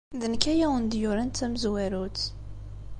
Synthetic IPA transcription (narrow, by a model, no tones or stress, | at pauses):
ðənkæjæwənd̪jʊɾænt̪ːæməzwæɾut͡sː